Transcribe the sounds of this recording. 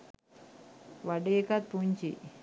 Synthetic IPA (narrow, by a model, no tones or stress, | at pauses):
ʋaɖeekat̪̚puɲt͡ɕḭ